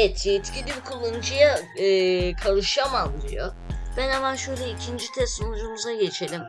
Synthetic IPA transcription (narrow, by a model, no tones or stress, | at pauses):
ɛt̪ʰjɛt̪cilʲibikʰulˠːanud͡ʒɯjaː | kʰaɾɯʃamalˠːɯjo̰ | b̥ænamaʃøjlʲɛicʰind͡ʒit̪ʰɛst̪onud͡ʒumuzaɟe̞t͡ʃʰe̞lʲim